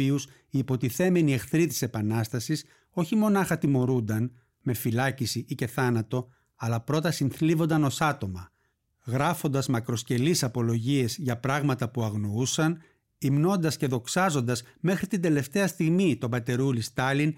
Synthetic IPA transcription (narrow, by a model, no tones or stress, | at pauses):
ius | iːpo̞t̪iθe̞me̞nie̞xθɾit̪i̥se̞pɐnɐst̪ɐsis | o̞çimo̞nɐxɐt̪imo̞ɾund̪ɐn | me̞filɐcisiʔice̞θɐnɐt̪o̞ | ɐlɐpɾo̞t̪ɐsinθlivo̞nd̪ɐno̞sɐt̪o̞mɐ | ɣɾɐfo̞nd̪ɐzmɐkɾo̞sce̞lisɐpo̞lo̞ʝie̞zʝɐpɾɐɣmɐt̪ɐpuɐɣno̞usɐn | imno̞nd̪ɐsce̞ðo̞ksɐzo̞nd̪ɐsme̞xɾit̪ind̪e̞le̞ft̪e̞ɐst̪iɣmit̪o̞bɐt̪e̞ɾulist̪ɐlin